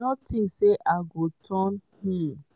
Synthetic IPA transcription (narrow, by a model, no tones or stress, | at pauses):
ɔtʰĩŋkseʔaɡotʰɔ̃nhi